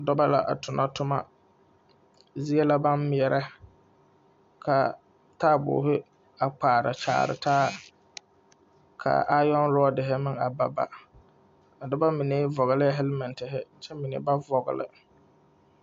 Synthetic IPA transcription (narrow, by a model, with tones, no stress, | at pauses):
dɔ˦ba˦la̰˨ʔa̰˨tʰʊ˨nʔa˦tʊ˦ma˦ | zi˦e˦la˦ba˦nmɪ˦˨ɛ˨ɾɛ˦ | kʰa˨ | taː˦˨bʊ̰ː˨˦ɦɪ˦ | a˨k͡paː˨ɾa̰˨t͡ʃa̰ː˨ɾɪ̰˨taː˦ | kʰa̰˨a˦jɔ˦n˦ɾɔ˦dɪ˨ɦɪ˦mɪ˦ŋa˨ba˨ba̰˨ | a˨dʊ˦ba˦mɪ˨ne˦vɔ˨ɣɪ˨lɪ˦ɦɛ˦lmɛ˨ntɪ˨ɦɪ˦t͡ʃɛ˦mɪ˨nḛ˨˦ba˦vɔ˨ɣɪ̰˨lɪ̰˨